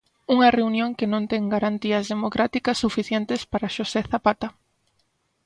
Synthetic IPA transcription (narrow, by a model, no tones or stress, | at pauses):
uŋɐreunjõŋkɪnõnt̪ɛŋɡaɾant̪iɐzðemokɾʔat̪ikɐsːufiθjɛnt̪espaɾaʃoseθapat̪a